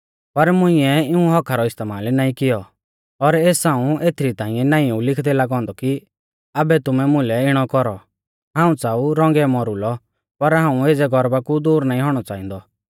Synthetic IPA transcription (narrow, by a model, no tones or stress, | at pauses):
pɐɾmʊ̃ɪ̃ɛɪũɦɔkʰaɾɔɪst̪eːmaːlnaːĩkɪjɔ | ɔɾeːsaːũeːt̪ʰɪɾit̪aːĩɛnaːĩũlɪkʰd̪ɛlaɡɦɔ̃ːnd̪ɔki | abɛt̪ʊmɛmʊ̃lɛɪɽ̃ɔkɔɾɔ | ɦaːũt͡saːuɾɔ̃ŋɡɛmɔɾʊlɔ | pɐɾɦãːũeːd͡zɛɡɔɾbakud̪uːɾnaːĩɦɔːɽ̃ɔt͡saːĩːnd̪ɔ